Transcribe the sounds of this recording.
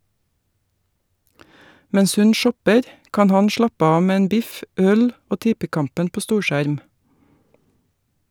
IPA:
ˈmɛɲs ˈhʉn ˈʃɔpəɾ ˈkɑːn ˈhɑn ˈʃɭɑpə ˈɑː ˈmeː ˈeːn ˈbɪf ˈœl ˈoː ˈtɪpəˌkɑmpən ˈpoː ˈstuːɾˌʃæɾm

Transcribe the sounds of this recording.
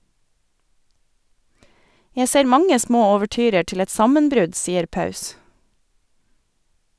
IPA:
ˈjæ ˈseːɾ ˈmɑŋə ˈsmoː oːʋəˈʈyːɾə ˈʈɪl ˈɛt ˈsɑmənˌbɾʉd ˈsiːəɾ ˈpɑʉs

